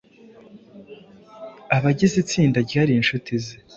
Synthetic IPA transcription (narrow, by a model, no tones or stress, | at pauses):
aβaɟizit͡siːndaɟihaɾiːnʃutize